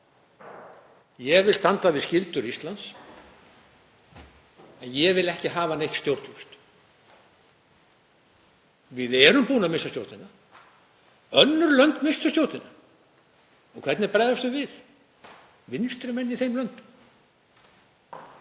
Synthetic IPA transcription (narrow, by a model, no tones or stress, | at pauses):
jɛvɪlst̪ant̪avɪðscɪlt̪ʏɾist̪lant̪s | ɛnjɛvɪlɛhcɪɦaːvanejht̪st̪jowɾt̪lʏst̪ | vɪðɛɾʏmpuːnamɪsːast̪jo̰wɾt̪ɪnːa | œnːʏɾlœnt̪mɪst̪ʏst̪jowɾt̪ɪna | ɔɣkʰɛt̪nɪɾpɾajðast̪ʏmvɪð | vɪnst̪ɾʏmɛnːiθejmlœnt̪ʏm